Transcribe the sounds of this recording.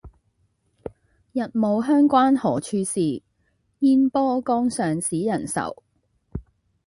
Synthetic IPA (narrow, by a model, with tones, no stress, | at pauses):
jɐ˨t̚mo˨˧wɦœː˥ŋkʷaː˥nhɔː˨˩t͡ʃʰyː˧siː˨ | jiː˥npɔː˥kɔː˥ŋsœː˨ŋsiː˨˥jɐ˨˩nsɐ̰˨˩w